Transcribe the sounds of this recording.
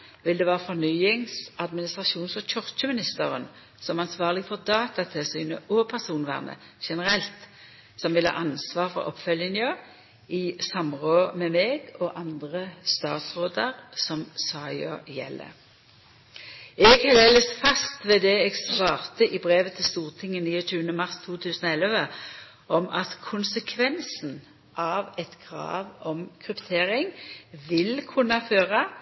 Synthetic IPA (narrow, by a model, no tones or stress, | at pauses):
ʋɪld̪ɛːʋɑːʁəfɔʁnyːɪŋsɑd̪mɪnɪst̪ʁɑʃuːnsɔc͡çɔʁt͡ʃəmɪnɪst̪əʁən | sɔmɑnsʋɑːʁlɪɡfɔʁd̪ɑːt̪ɑt̪ʰɪlsyːnəʔɔpʰæʁsuːnʋæ̰ːʁnə̰ | ʃɛnəʁɛlt̪ | sɔmʋɪlhɑ̰ːʔɑnsʋɑːʁfɔ̰ʁɔ̰pːfœljənjɑː | ɪsɑmʁoːmɛmeːɡɔʔɑnd̪ʁəst̪ɑːt̪sʁoːd̪əʁsɔmsɑːɪjɑ̰jɛ̰lːə̰ | ɛɡhɛleːləsfɑst̪ʋeːd̪ɛɛɡslɑːʁt̪əʔɪbʁeːʋət̪ʰɪlst̪uːʁt̪ʰɪŋːəniːɔtʉːənəmɑʁst̪ʰuːt̪ʰʉːsn̩oɛləʋə | ʔɔmʔɑt̪kʰʊnsəkʰʋɛnsn̩ | ʔɑːʋɛt̪kʰʁɑ̰ːʋɔmkʰʁʉpt̪ʰeːʁɪŋʋɪlkʰʉnɑføːʁɑ